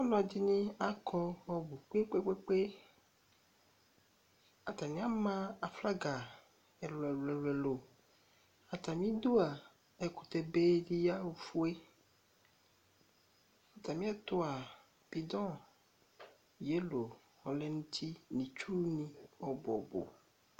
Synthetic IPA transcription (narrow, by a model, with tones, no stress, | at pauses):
ɔ˦nɔ̃˨a˨d̪i˦nĩ˦a˦kʰɔ˦wɔ˦bu˨k͡pe˦k͡pe˦k͡pe˦k͡pe˦ | a˨t̪a˨mĩ˦a˦mã˦a˨fla˦ɡa˨ | ɛ˨lɛ˨lɛ˨lɛ˨lo˨ | a˨t̪a˨mĩ˦d̪o˦a˨ | e˨ku˨t̪e˨be˦ɖi˦ja˦wo˨fu˦e˦ | a˨t̪a˨mĩ˦a˦t̪o˦a˨ | b̥i˨d̪ɔ̃˦ | je˦lo˨ | hɔ˨lɛ˦nũ˦t̪ʰi˦nĩ˨t͡ʃu˦nĩ˦ɔ˨bɔ̰˨bo̰˨